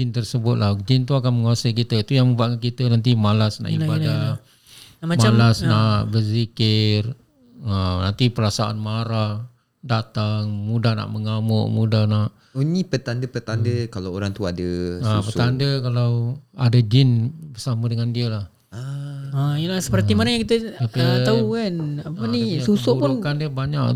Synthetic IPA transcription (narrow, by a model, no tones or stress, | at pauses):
ɪnt̪ərsəbʊt̪̚lad͡ʒɪnt̪uakanməŋuasajkit̪əit̪ujaŋməbuaʔkankit̪ənant̪̬imalasna̰ʔḭbada | mamalasnaʔbərzikɪr | ənant̪ipəɾasaʔa̰nmaɾah | dat̪aŋmudahna̰ʔməŋamʊʔmudahnaʔ | uɲipət̪andəpət̪andəkalaoɾaŋt̪uadəsapət̪andəkalawadad͡ʒɪnbərsamədəŋandiəlah | aaijəlahsə̥pərimanaŋjaŋkit̪əapat̪aukanapənisusɔʔuɾpʊnkandiəbaɲak